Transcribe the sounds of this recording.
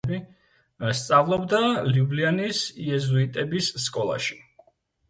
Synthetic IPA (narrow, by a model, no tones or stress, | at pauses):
bi | st̪sʼavlˠɔbd̪aliblianisiɛzuit̪ʼɛbisːkʼɔlˠa̰ʃi̥